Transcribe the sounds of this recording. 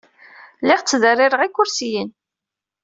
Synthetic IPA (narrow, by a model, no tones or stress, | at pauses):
lɪʁt͡sːðərːɪɾəʁikːʊɾsijin